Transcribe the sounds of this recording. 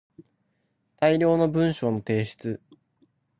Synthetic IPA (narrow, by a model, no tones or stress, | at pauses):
t̪aiɾʲo̞ːno̞bɯ̟̃ɰ̃ɕo̞ːno̞t̪e̞ːɕi̥t͡sɨ